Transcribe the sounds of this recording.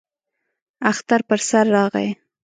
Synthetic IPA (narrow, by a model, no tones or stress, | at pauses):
axt̪aɾpəɾsaɾːɑɣa̰j